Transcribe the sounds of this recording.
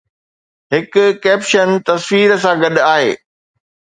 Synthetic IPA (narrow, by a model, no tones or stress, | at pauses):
ɦɪkʊkɛːpʃənt̪ɐswiːɾs̬ãɡɐɗaːɦḛː